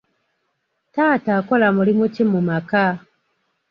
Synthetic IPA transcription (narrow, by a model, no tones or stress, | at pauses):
taːtakolamulimucimumaka